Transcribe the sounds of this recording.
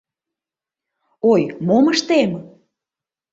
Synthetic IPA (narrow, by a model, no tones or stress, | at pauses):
ojmoməʃt̪em